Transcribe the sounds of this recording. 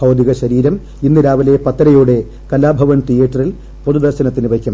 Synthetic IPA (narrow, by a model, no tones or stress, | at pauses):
ɐwd̪iɣɐɕɐɾiːɾɐm | inːiɾaːʋɐle̞pɐt̪ːɐɾɐjuːɽe̞ | kɐlːaːbʱɐʋɐnʈijeːʈːɐril | poðud̪ɐrɕɐnɐt̪ːinɨʋɐkʲːɐm